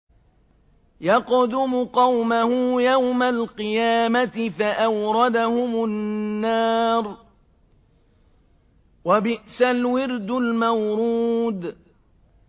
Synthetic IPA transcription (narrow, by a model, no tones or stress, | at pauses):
jɑqd̪ʊmʊqɑwmahʊjawmalqɨjaːmat̪ɪfaʔawɾˤɑd̪ahʊmʊnːaːɾˤ | wabɪʔsalwɪɾd̪ʊlmawɾuːd̪